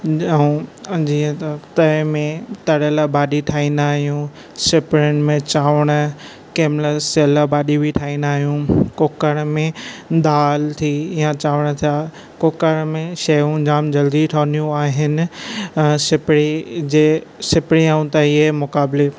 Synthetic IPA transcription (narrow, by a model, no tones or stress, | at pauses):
ũd͡ʑiːə̃t̪ɐt̪ɐmẽt̪ɐɽəlabaːɗiʈʰaːĩnd̪aːɦijũ | sɪpɽʊnɪ̆mẽt͡ɕaːʋəɽ̃ə | keːmləsɐlabaːɗibiʈʰaːĩnd̪aːɦijũkoːkəɽ̃mẽd̪aːlt̪ʰijãt͡ɕaːʋəɽ̃t̪ʰija | koːkəɽ̃mẽʃɐjũd͡ʑaːmd͡ʑɐld̪iʈʰoːnijũaːɦɪnɪ̆ | sɪpɽid͡ʑeːsɪpɪɽiãũt̪ɐiɦemʊkaːbɪle